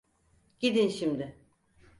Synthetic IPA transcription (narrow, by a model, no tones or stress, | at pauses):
ɟ̥id̪inʃimd̪ɪ